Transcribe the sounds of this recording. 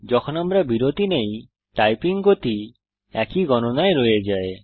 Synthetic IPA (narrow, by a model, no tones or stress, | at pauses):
d͡ʒɔkʰɔnamɾabiɾot̪inej | ʈajpiŋɡot̪i | ɛkiɡɔnonaeɾojed͡ʒae